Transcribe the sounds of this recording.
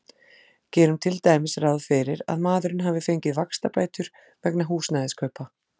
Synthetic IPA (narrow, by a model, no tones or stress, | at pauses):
cɛːɾʏmt̪ʰɪlt̪ajmɪsrawðfɪɾɪɾa̰ðmaːðʏɾɪnɦaːvɪfejɲcɪðvakst̪apaːjt̪ʏɾ̥ | vɛknaɦuːsnaːjðɪskʰœɥpa